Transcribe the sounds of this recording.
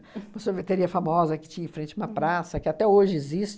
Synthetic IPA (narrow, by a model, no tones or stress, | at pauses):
moseɾvet̪eɾiɐfamɔzɐkɪ̥t͡ʃĩɲɐẽfɾẽnt͡ʃɪũmɐpɾasɐkɪat̪ɛoʒɪezist͡ʃ